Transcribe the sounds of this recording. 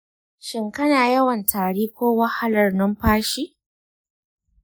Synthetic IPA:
ʃɪ˨ŋkɐ˦naː˨jɐ˦wɐ˨ntʰaː˨ɽiː˦kʷoː˦wɐ˦ha˦lɐ˨rnɐ˦mɸaː˦ʃiː˦

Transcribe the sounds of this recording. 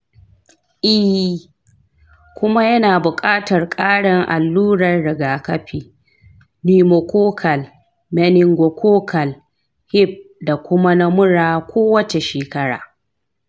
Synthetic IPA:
ʔɪ˦˨ | kʷʊ˦ma˦jɐ˦naː˨bʊ˨kʼaː˦tɐ˨rkʼaː˦ɽɪ˨ŋʔa̰˨lːuː˦ɽɐ˨rɽɪ˨ɡaː˨kɐ˦ɸiː˦ | niː˦mo˨kʷoː˦kʰɐ˨l | mɛ˦nɪ˦ŋɡʷo˨kʷʰoː˦kʰɐ˨l | hɪ˦b̚ | da˨kʷʊ˦ma˦na˦mʊ˦ɽaː˦˨kʷoː˦wɐ˦t͡ʃe˨ʃeː˨kɐ˦ɽa̰ː˨

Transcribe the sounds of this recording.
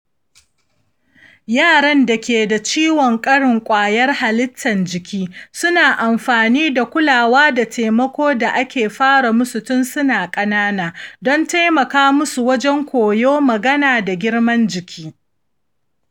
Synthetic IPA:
jaː˦˨ɽɐ˦nda˨kʲeː˨da˨t͡ʃiː˦wɔ˨ŋkʼɐ˦ɽɪ˨ŋkʷʼaː˨jɐ˦rha˨lɪ˦tʰːɐ˨nd͡ʒɪ˨kʲʰiː˦sʊ˦naː˨ʔa˨mɸaː˨niː˦da˨kʷʊ˦laː˨waː˦da˨tʰeː˨mɐ˦kʷoː˦da˨ʔa˦kʲeː˨ɸaː˦ɽa˨mʊ˦sʊ˨tʊ˦nsʊ˦naː˨kʼɐ˦naː˦naː˨dɔ˦nta˦jmɐ˨kaː˦mʊ˦su˨wɐ˦d͡ʒɛ˦ŋkʷoː˨joː˦mɐ˨ɡɐ˦naː˨da˨ɡʲɪ˦ɽmɐ˦nd͡ʒɪ˨kʲʰiː˦

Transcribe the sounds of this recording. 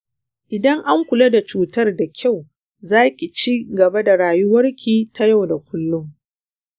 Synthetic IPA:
ʔɪ˨dɐ˦ŋʔa˦ŋkʷʊ˨la˦da˨t͡ʃuː˨tɐ˦rda˨kʲa˦˨w | zaː˦kʲi˨t͡ʃiː˦ɡɐ˨ba˦da˨ɾaː˨jʊ˦wɐ˦rkʲʰiː˨tʰa˦ja˦˨wda˨kʷʊ˦lːʊ˦ŋ

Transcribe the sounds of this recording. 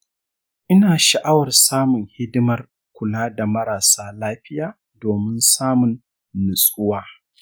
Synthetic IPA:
ʔɪ˦naː˨ʃa˨ʔa˦wɐ˨rsaː˦mʊ˨ŋhɪ˦dɪ˦mɐ˨r | kʷʊ˨laː˦da˨mɐ˦ɾaː˨saː˦laː˦ɸɪ˦jaː˨ | doː˨mɪ˦nsaː˦mʊ˨nː | ʊ˨sʼʊ˦waː˦

